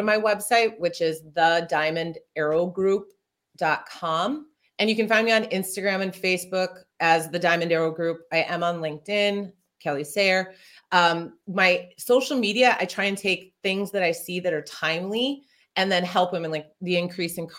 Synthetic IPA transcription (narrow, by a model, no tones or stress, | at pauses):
maɪwɛb̥saɪt̚wɨt͡ʃɪzðədãɪ̃mɨ̃ndɛɹoʊɡɹup̚ | d̥ɑt̚kʰɑ̃m | ɨ̃njɨkɨ̃n̩fãɪ̃ndmiɨ̃nɪ̃nstɨɡɹæ̃mɨ̃nfeɪsb̥ʊk | ɨzðɨdãɪ̃mɨ̃ndɛɹoʊɡɹʉp̚aɪʔɨ̃mə̃nlɪ̃ŋk̚tɪ̃n | kʰɛlˠisɛɹ | ʌ̃maɪsoʊʃl̩ˠmiɾiɨʔa̰ɪtʰɹ̥aɪɨ̃ntʰeɪk̚θɪ̃ŋzðɨɾaɪsiðɨɾə˞tʰãɪ̃mli | ɨ̃nðɨ̃nɦɛlˠpɨ̃mɨ̃nlaɪk̚ðiɨ̃nkʰɹ̥isɨ̃nkʰ